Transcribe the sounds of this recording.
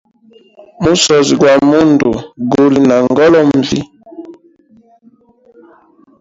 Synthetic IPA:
mu˦sɔ˨zi˨ɡwa˨mu˦ndu˨ɡo˨li˨na˨ŋɡɔ˦lɔ˦m̩˨vḭ˦

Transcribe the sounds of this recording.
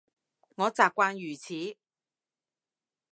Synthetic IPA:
ŋɔː˨˧t͡saː˨p̚kʷaː˧njyː˨˩t͡sʰiː˨˦

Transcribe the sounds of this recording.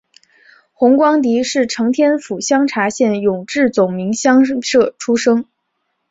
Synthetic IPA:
xʊ˧˥ŋkwɑ˥ŋt̪i˧˥ʂɻ̩˥˩ʈ͡ʂʰɤ˧˥ŋt̪ʰjɛ˥nfu˨˩ɕjɑ˥ŋʈ͡ʂʰa˧˥ɕjɛ˥˩njʊ˨˩ŋʈ͡ʂɻ̩˥˩t͡sʊ˨˩ŋmi˧˥ŋɕjɑ˥ŋʂɤ˥˩ʈ͡ʂʰu˥ʂɤ˥ŋ

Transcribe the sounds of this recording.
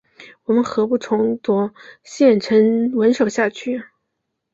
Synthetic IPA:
wɔ˨˩mə˦nxɤ˧˥pu˥˩ʈ͡ʂʰʊ˧˥ŋt̪wɔ˧˥ɕjɛ˥˩nʈ͡ʂʰə˧˥nwə˧˥nʂo˨˩ʊɕja˥˧t͡ɕʰy˥˩

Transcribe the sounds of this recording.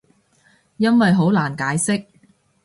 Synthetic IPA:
jɐ˥nwɐ˨jɦo˨˥wlaː˨˩nkaː˨˥jsɪ˥k̚

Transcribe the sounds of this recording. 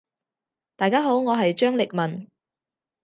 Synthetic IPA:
t̪aː˨jkaː˥ɦo˨˥wŋɔː˨˧ɦɐ˨jt͡ʃœː˥ŋlɪ˨k̚mɐ˨n

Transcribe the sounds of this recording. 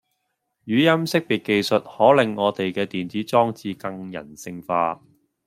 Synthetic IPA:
jyː˨˥jɐ˥msɪ˥k̚pi˨˩ke˨jsɵ˨t̚hɔː˨˥lɪ˨ŋːɔː˨˧t̪e˨jkɛː˧t̪iː˨nt͡siː˨˥t͡sɔː˥ŋt͡siː˧kɐ˧ŋjɐ̰˨˩nsɪ˧ŋfa̰ː˧

